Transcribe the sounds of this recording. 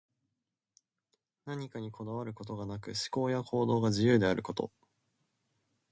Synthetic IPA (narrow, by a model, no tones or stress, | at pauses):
naɲ̟ikaɲ̟ikʰo̞d̪aβ̞aɾɯ̟ko̞t̪o̞ɡanakɯ̟ɕi̥ko̞ːjakʰo̞ːd̪o̞ːɡaʑijɯ̟ːd̪e̞aɾʔɯ̟ko̞t̪o̞̰